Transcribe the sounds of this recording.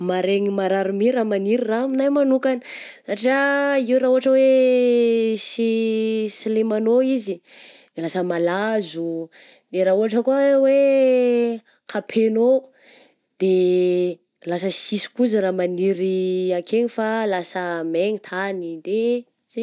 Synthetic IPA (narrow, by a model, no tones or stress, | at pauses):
maɾeŋimaɾaɾumiɾaːmaniɾiraminajmanukanə̥saʈ͡ʂiaiuraɦuɦaʈ͡ʂəwe | sisilemanoizid̪̥elasəmalazu | d̪eɾauaʈ͡ʂəkuawe | kʰapʰeno | d̪̥e | lasəsisi̥kuzəɾamaniɾiakʰeɲifalasəmeɲit̪ʰanid̪e | ze